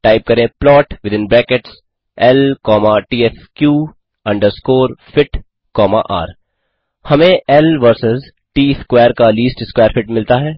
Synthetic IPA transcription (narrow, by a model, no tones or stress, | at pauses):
ʈaːɪp̚kɐɾẽplɔːʈʋɪd̪ɪ̃nbɾɛːkeʈs | ɛlkɔːmaʈiːɛskjuː | ɐ̃ɳɖəɾskoːɾfɪʈ | kɔːma̰ʔa̰ːɾ | hɐmẽɛlʋəɾsɪz | ʈiːɪskweːəɾkaliːsʈɪskweːəɾfɪʈmɪlt̪aɦɛː